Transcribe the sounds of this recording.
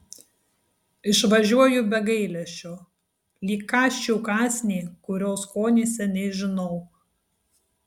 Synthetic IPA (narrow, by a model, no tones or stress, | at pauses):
ɪʃʋɐʒʲuɔjʊbʲɛɡɐɪlʲɛʃʲt͡ʃʲoː | lʲiːkːɑːʃʲt͡ʃʲuːkɑːsʲnʲeːkʊɾʲoːskoːnʲeːsʲɛnʲɛɪʒʲɪnɔʊ